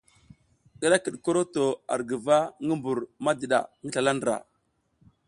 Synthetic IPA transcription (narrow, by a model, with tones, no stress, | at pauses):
ɗə˦ɗa˦kə˨ɗko˦ɾo˦to˨a̰˨ɾɡə˨va˦ŋə˦mbu˨ɾma˦də˨ɗa̰˨ŋə˦ɬa˨la˦ndɾa̰˨